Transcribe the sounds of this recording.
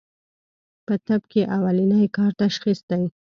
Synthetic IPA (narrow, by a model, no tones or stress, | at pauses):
pət̪ab̚keʔawalinəjkɑɾt̪aʃxisd̪aj